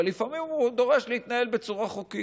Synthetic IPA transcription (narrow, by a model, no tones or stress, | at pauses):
lːifamimud̪o̞ʁe̞ʃleit̪nae̞lbe̞t͡suʁaχuki